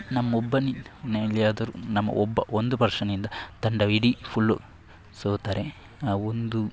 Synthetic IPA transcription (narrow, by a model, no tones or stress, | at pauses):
nɐmːɐobːɐninelijaːd̪ɐɾunɐmːɐ̰ʔɔbːɐʔond̪upɐɾʂɐnind̪ɐt̪ɐɳɖɐʋiɽipʰuɭːu | soːt̪aːɾe | ond̪u